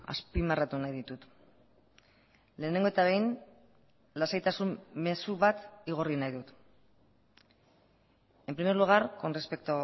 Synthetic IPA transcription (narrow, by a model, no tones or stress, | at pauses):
a̰spimarat̪unajðit̪ut̪ | le̞ːne̞ŋɡot̪aβ̞e̞jn | lasajt̪asumme̞suβat̪iɣ̞o̞rinajðut̪ | e̞mpɾimeɾluɣ̞aɾko̞nre̞spe̞k̚t̪o